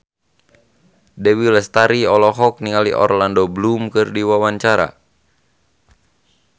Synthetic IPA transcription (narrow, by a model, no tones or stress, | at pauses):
dɛwilɛst̪aɾiɔlɔɦɔk̚niŋalḭʔɔ̰rlandɔblumkɨrdiwawaɲt͡ʃaɾa̰